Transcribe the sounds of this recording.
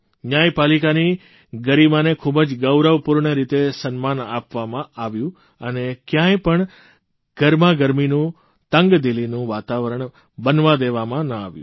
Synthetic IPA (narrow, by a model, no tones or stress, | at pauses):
ɲajpalikani | ɡəɾimanekʰubəd͡ʒɡəwɾəʋpuɾɳəɾit̪esənmanapʋamãaʋjũ | ənekjãjpəɳ | ɡ̥əɾmaɡəɾminũ | t̪əŋɡd̪ilinũʋat̪aʋəɾəɳ | bənʋad̪eʋamãnəa̰ʋjṵ̃